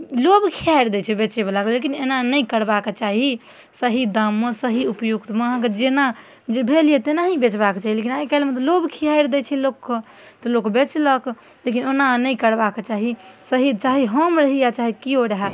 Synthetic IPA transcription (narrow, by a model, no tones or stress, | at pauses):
lobkʰiajɾd̪ɛt͡ʃʰɛbet͡ʃebelaklekinenanəikəɾbaket͡ʃaɦi | səɦid̪amːẽsəɦiupjukt̪maked͡ʒena | d͡ʒebʱelijet̪enaɦibet͡ʃbaket͡ʃaɦilekinajkɛlmet̪ɔlobkʰiajɾd̪ɛt͡ʃʰɛlokː | t̪ɔlokbet͡ʃlək | lekinenanəikəɾbaket͡ʃaɦisəɦit͡ʃaɦiɦəmɾəɦijat͡ʃaɦikioɾəɦɛ